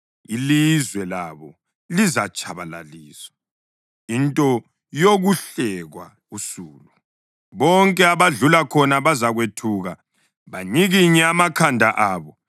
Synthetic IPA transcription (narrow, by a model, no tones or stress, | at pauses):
ilizwɛlaβɔ | lizat͡ʃʰʼaβala̰liːsɔ̥ | intʼɔ | joɣuɬɛɣwa̰ | usuːlu | βɔŋkʼɛaβaɮulakʰɔnaβazaɣwetʰuːɣa | βaɲiɣiɲɛamakʰandʱaʔaːβɔ